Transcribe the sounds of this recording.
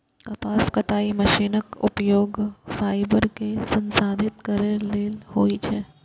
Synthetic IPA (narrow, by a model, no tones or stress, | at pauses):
kɐpaːskɐt̪aːimɐʃiːnəkʊ̰pjoːɡfaːɪbəɾkesɐ̃nsaːd̪ʱɪt̪kɐɾeleːhoːit͡ʃʰɛː